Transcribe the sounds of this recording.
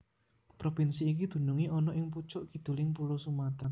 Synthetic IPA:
pɾofinsiːkid̪̥ṳnuŋiʔɔnɔʔɪŋp̬ut͡ʃʊʔkid̪̥ṳlɪŋpulosumat̪an

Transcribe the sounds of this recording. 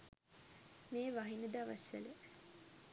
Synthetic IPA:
meːʋaɦinəd̪aʋasʋḛlə

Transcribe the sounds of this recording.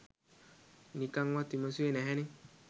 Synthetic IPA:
nikaŋwatimasuenɛɦɛni

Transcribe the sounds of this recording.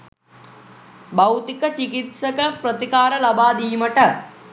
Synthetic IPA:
bɐwt̪ikət͡ʃikit̪sɐkəpɾət̪ikaːɾɐlɐbaːd̪ijməʈə

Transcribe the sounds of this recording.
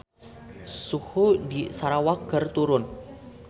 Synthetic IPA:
suhudisaɾawaɡərt̪uɾʊn

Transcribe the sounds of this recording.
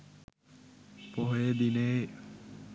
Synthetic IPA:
poɦojed̪ine

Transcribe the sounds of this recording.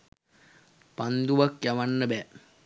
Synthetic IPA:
pand̪uʋakjaʋanːəbɛ

